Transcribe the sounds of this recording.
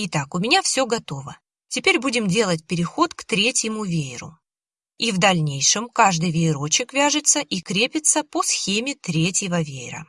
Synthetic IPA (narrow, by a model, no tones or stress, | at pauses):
ɪt̪akʊmʲɪnʲafsʲɵɡɐt̪o̞və | tʲɪpʲeɾʲbudʲɪmdʲe̞lˠət̬̚ʲpʲɪɾʲɪxo̞t̪kt̪ɾʲetʲjɪmʊvʲeɪɾʊ̰ | ivd̪ɐlʲnʲejʂɨmkaʐd̪ɨjvʲɪɪɾo̞t͡ɕɪkvʲaʐɨt̪səʔikɾʲepʲɪt̪səposxʲemʲɪt̪ɾʲetʲjɪvəvʲeɪɾə̰